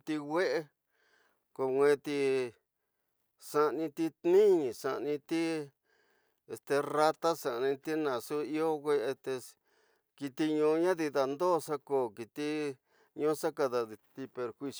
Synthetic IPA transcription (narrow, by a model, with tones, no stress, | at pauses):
t̪i˧ɣʷe˦ʔe˦ | ko˧ŋʷẽː˧t̪i˧ | sa˧ʔnĩ˧t̪i˧t̪nĩ˦ɲĩ˨sa˧ʔnĩ˧t̪i˦ | e˧st̪e˧ra˧t̪a˦sã˨ʔnĩ˧t̪i˦nã˨su˦i˦o˦ɣʷe˦ʔe˧t̪e˧ | ki˧t̪i˧ɲũ˧˦ɲã˦ði˧ða˧nd̪oː˦˨sa˦koː˨ki˨t̪i˦ | ɲũ˦sa˦ka˧ða˧i˧t̪i˧pe˧ɾhwi˧s